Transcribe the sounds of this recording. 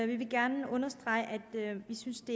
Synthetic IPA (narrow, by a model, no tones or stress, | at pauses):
ʋiʋe̝ɡ̥æɐnəʔɔ̽nɐsd̥ʁɑ̈ɪəʔæd̥ʋisynsd̥e̝